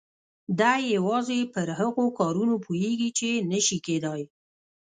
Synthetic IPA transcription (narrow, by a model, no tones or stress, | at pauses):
d̪ajewɑzepəɾhaɣokɑɾunopʰojeɡit͡ʃenəʃiked̪ɑj